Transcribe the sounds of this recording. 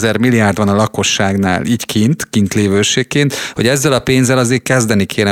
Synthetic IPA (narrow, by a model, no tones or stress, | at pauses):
zɛrmilːijaːrd̪ʋɒnɒlɒko̞ʃːaːɡna̰ːlʔiːckʰint̪kint̪leːvøːʃeːkːeːnt̪ho̞̰ɟɛzːɛlɒpeːnzɛlɒzeːkɛzd̪ɛnikʰeːnɛ